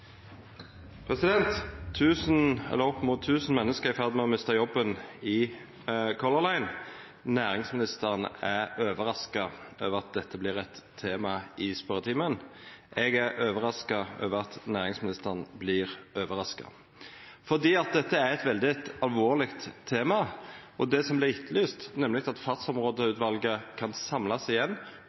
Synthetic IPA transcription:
pʰʁɛsɪd̪ɛnt̪ʰːʉːsnɛ̰lːəʁɔpːmuːt̪ʰːʉːsn̩mɛnːəskəʁɪfæʁd̪mɛɔmɪst̪ɑjɔbːənɪ | kʰɔləʁlæɪn | næːɾɪŋsmɪnɪst̪əʁənæɾøːʋəɾɑskɑøːʋəʁɑt̪̚d̪ɛt̪ʰːəblɪʁɛt̪ʰːeːmɑɪspœʁət̪ʰiːmənʔɛɡæɾøːʋəɾɑskɑø̰ːʋəɾɑt̪næːʁɪŋsmɪnɪst̪əʁnblɪʁøːʋəɾɑskɑ̰ | fɔʁd̪iːɑt̪̚d̪ɛt̪ʰːəæɾɛt̪ʋɛld̪ɪt̪ɑlʋoːʁlɪkt̪ʰːeːmɑʔɔd̪ɛsɔmblɪʁɪt̪lyːst̪nɛmlɪkt̪ɑt̪fɑt̪sɔmʁoːd̪əʉːt̪ʋɑlɡəkʰɑnsɑmlɑsɪjɛnː

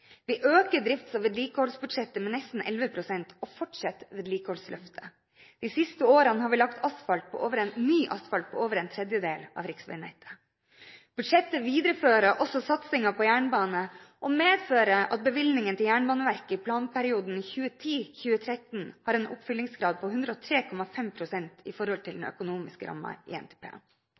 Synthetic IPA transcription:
ʋɪʔøːkəɖɾɪft̪sɑʋeːd̪liːkəhɔlsbʉd̪ʂɛt̪ːəmɛnɛst̪n̩ʔɛ̰lʋəpʰɾʊsɛnt̪ɔfɔʈʂɛt̪ʋeːd̪liːkəhɔlslʔœ̰ft̪ʰə̥ | d̪̥isɪst̪əoːɾɑnəhɑːɾʋɪlɑkt̪ʰɑsfɑlt̪̚pʰɔ̰ʔoːʋəɾɛnnyːʔɑ̰st̪fɑlt̪̚pʰɔoːʋəɾɛnt̪ʰɾɛd̪jəd̪eːlʔɑ̰ːʋɾɪksʋæ̰ɪnæ̰ɪt̪ʰə̥ | b̥ʉd̪ʂɛt̪ːəʋiːd̪ɾəføːɾəʔɔsɔsɑt̪sɪŋɑpʰɔjæːɳbɑːnəʔɔmeːd̪føːɾəɑ̰t̪̚bəʋɪlnɪŋənt̪ʰɪljæːɳbɑːnəʋæɾkəɪpʰlɑːnpʰæɾɪuːd̪n̩iːçʉːət̪ʰiːçʉːət̪ʰɾɛt̪n̩hɑːɾɛnʊ̰pfʏlːɪŋsɡɾɑːd̪̚pʰɔhʉnd̪ɾəɔːt̪ʰɾeːkʰɔmɑfɛmpʰɾʊsɛnt̪ɪfɔɾhɔlt̪ʰɪld̪n̩œ̰kʊnuːmɪskəɾʔɑ̰mːɑ̰ḭːɛ̰nt̪ʰe̥ːpʰḛː

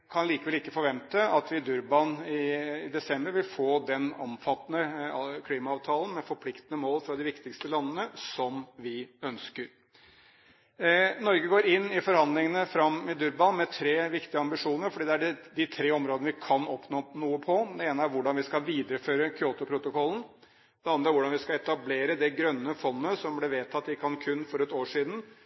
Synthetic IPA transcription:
kʰɑnliːkəʋɛlɪkːəfɔɾʋɛnt̪əɑt̪ʰʋɪd̪ʉɾbɑnɪːd̪ɛsɛmbəɾʋɪlfoːd̪ɛnɔ̰mfɑt̪ːnəkʰliːmɑɑːʋt̪ʰɑːlən̩mɛfɔɾpʰlɪkt̪ənəmoːlfɾɑd̪ɪʋɪkt̪ɪkst̪əlɑnːənəsɔmʋɪœnskəɾ | nɔɾɡəɡoːɾɪnːɪfɔɾhɑnd̪lɪŋənəfɾɑmːɪd̪ʉɾbɑnmɛt̪ʰɾeːʋɪkt̪ɪəɑmbɪʂuːnəɾfɔɖiːd̪ɛæɖd̪ɪt̪ʰɾeːɔmɾoːd̪nəʋɪkʰɑnɔpnoːnuːəpʰɔd̪ɛeːnəæɾʋʊɖɑnʋɪskɑʋiːd̪əɾəføːɾəkʰʏoːt̪ʊpʰɾʊt̪ʊkʰɔln̩ | d̪ɛɑnd̪ɾəæɾʋʊɖɑnʋɪskɑɛt̪ɑbleːɾəd̪ɛɡɾœnːəfɔnːəsɔmblɛʋeːt̪ʰɑt̪ːɪkʰɑnkʰʉnːfɔɾɛt̪oːʂiːd̪n̩

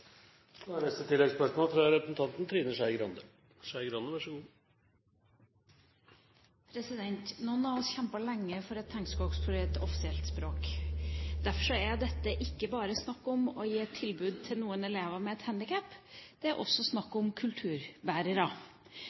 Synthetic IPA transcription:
sɔænɛst̪ət̪ʰɪlːɛɡspœʂmoːlfɾɑɾɛpɾəsn̩t̪ʰɑnt̪n̩t̪ʰɾiːnəʂæɪɡɾɑ̰nd̪ə | ʂæɪɡɾɑnd̪əʋæʂu | pʰɾɛsɪd̪ɛnt̪nɔnːɑɔsçɛmpəlɛŋːəfɔɾɛt̪ʰːɛŋskɔːkspʰʊɾet̪ɔfɪ̥sɪɛlt̪spɾoːk | d̪æɾfɔʂɔæd̪ɛt̪ːəʔɪkːəbɑːɾəsnɑkːɔmɔjiːɛt̪ʰːɪlbʉːd̪̚t̪ʰɪlnuːənɛleːʋəmɛɛt̪hænd̪ɪkʰæpːd̪̥ɛæɾʔɔ̰sːɔsnɑkːɔmkʰʉlt̪ʰʉːɾbæːɾəɾɑ

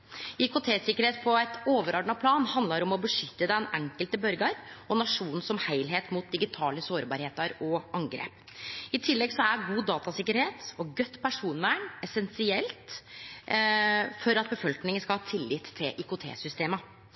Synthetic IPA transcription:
ɪkʊt̪ʰeːsɪkːəɾheːt̪pʰɔɛt̪oːʋəɾɔɖɳɑpʰlɑːnhɑnd̪lɑɾɔmɔbəʂʏt̪ːəd̪ɛnɛŋkəlt̪əbœɾɡɑɾɔnɑʂuːnn̩sɔmhæɪlɦeːt̪muːt̪̚d̪ɪɡɪt̪ʰɑːləsoːɾbɑ̰ɾheːt̪əɾɔɑŋɡɾḛːp | ɪt̪ʰɪlːɛɡsɔæɡuːd̪ɑːt̪ɑsɪkːəɾheːt̪ɔɡœt̪ːpʰæʂuːnʋæːɳɛsɛnsɪɛlt̪ | fɔɾɑt̪̚bəfɔlknɪŋənskɑlhɑːt̪ʰɪlːɪt̪ʰːɪlʔɪkʊt̪ʰḛːsʏst̪eːmə

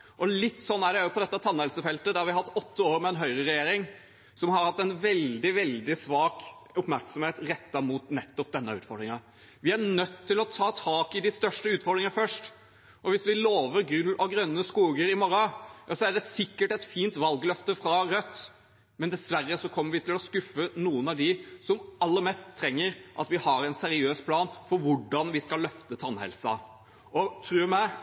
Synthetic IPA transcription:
ʔɔlɪt̪ːsɔnːæɖɛæɾjʊpʰɔd̪ɛt̪ːət̪ʰɑnːəɛlsəfɛlt̪əd̪ɛhɑɾʋɪhɑt̪ːɔt̪ːəoːɾmɛɛnɦœʏɾəɾɛjeːɾɪŋ | sɔmhɑɾhɑt̪ːɛnʋɛld̪ɪʋɛld̪ɪsʋɑːkʊpmæɾksɔmheːt̪ɾɛt̪ːɑmut̪nɛt̪ːɔp̚d̪ɛnːəʉ̰ːt̪fɔɾɖ̪ɾɪŋɑ | ʋɪæɳœt̪ʰːɪlɔt̪ʰɑːt̪ʰɑːkɪd̪ɪst̪œʂʈəʉːt̪fɔɾɖ̪ɾɪŋɑfœʂʈ | ʔɔʋɪsʋɪloːʋəɾɡɾʉlːɔɡɾœnːəskuːɡəɾɪmɔɾɑjɑsɔæɖɛsɪkːəʈɛt̪fiːnt̪ʋɑlɡlœft̪əfɾɑɾœt̪ː | mɛnd̪ɛsʋæɾːəsɔkʰɔmːəɾʋɪt̪ʰɪlɔskʉfːənuːənɑʋd̪ɪsɔmɑlːəɾmɛst̪ʰːɾɛŋːəɾʔɑ̰t̪ʋɪhɑɾɛnsɛɾɪøːspʰlɑːnfɔɾʋʊɖɑnʋɪskɑlːœft̪ət̪ʰɑnhɛ̰lsɑ | ɔt̪ʰɾʉːmæɪ

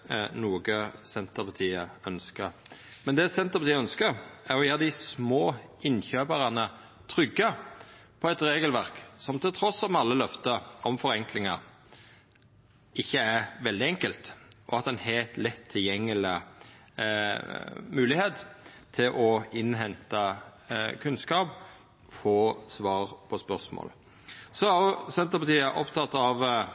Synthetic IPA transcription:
nuːɡəsɛnt̪əpɑt̪ʰiːəœnskəɾmɛnd̪ɛːsɛnt̪əʁpɑt̪iːəœnskəɾæɾɔjæːʁd̪ɪsmoːɪnçøːbəʁɑnə | t̪ʰɾʏɡːə | pʰɔɛt̪ɾeːɡəlʋæɾksɔmt̪ʰɪlt̪ʰɾɔsːɔmɑlːəlœft̪əɔmfɔɾɛŋklɪŋɑ | ɪçːəæɾʋɛld̪ɪɛŋkəlt̪ʔɔɑt̪ɛnhet̪lɛt̪ʰːɪljɛŋːəlɪ | mʉːlɪheːt̪t̪ʰːɪlʔɔɪnɦɛnt̪ɑ | kʰʉnskɑːp | foːsʋɑːʁpʰɔspœʁsmo̰ːl | sɔɑsɛnt̪əpɑt̪iːəʔɔpt̪ʰɑt̪ːɑʋ

